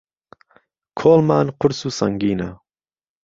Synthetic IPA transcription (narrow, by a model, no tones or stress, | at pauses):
kʰoːlmaːnqʰʊɾsusɐŋɡiːna̰